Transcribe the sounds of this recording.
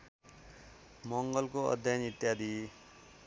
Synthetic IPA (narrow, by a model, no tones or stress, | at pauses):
mʌŋɡʌlkoʌ̰d̪ʱjanit̪jad̪ʱi